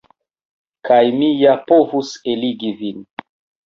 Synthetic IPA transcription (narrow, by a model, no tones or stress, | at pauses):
kajmijapovuseliɡivin